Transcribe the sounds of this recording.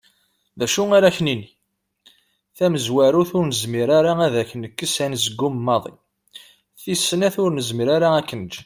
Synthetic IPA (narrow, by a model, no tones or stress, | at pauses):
ðæʃuaɾæçnini | θæməzwæɾuθʊɾnəzmiɾaɾaæðæçənːəkːəsænzəɡːʊməmːɑðˤḭ | θisːənæθʊɾnəzmiɾaɾaækːənd͡ʒ